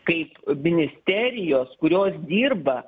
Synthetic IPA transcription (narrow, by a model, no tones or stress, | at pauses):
kɐɪpmʲɪnʲɪsʲt̪ʲæːɾʲɪjoːskʊɾʲoːsd̪ʲiːrbɐ